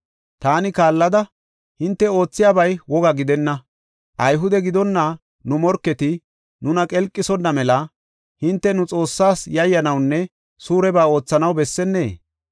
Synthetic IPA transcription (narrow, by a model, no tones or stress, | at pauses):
t̪aːnɪkaːlːɐd̪ɐ | hɪnt̪ːɛo̞ːt͡sːɪjaːbɐjwɔɡɐɡɪd̪ɛnːɐ | ʔɐjɦʊd̪ɛɡɪd̪ɔnːɐ | nʊmɔɾkːɛt̪ɪ | nʊnɐkʼɛlkʼːɪsɔnːɐmɛlɐ | hɪnt̪ːɛnʊt͡sʼo̞ːsːaːsjɐjːɐnɐwnːɛ | suːɾɛbaːo̞ːt͡sːɐnɐwbɛsːɛnːe̞ː